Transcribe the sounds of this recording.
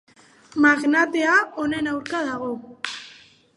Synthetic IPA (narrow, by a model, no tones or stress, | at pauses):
maɣnat̪e̞ao̞ne̞nawɾkaðaɣo̞